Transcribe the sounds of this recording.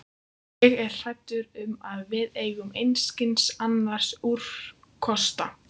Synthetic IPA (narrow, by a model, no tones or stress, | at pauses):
ɛɣɛrr̥ajt̪ʏɾʏmaðvɪðeːjɣʏmejnscɪnsanːaɾ̥suɾ̥fkʰɔst̪a